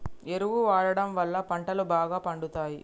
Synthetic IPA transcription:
eɾuʋuʋaːɽɐɽɐmʋɐlːɐpɐɳʈɐlubaːɡaːpɐɳɖut̪aːji

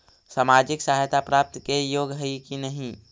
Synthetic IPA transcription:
saːmad͡ʒɪksaɦajt̪apɾaːp̚t̪kejoːɡɦəikinəɦĩ

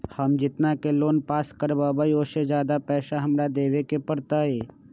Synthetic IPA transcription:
hɐmd͡ʒɪt̪nakeloːnpaːskəɾbabaioːsed͡ʒjaːd̪apɛːʃaɦɐmɾad̪eːʋekepɐɽt̪aɦɛː

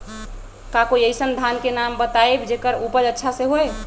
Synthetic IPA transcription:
kakoiəjsənd̪ʱankenambət̪aebd͡ʒekəɾupəd͡ʒətːʃʰasẽɦoj

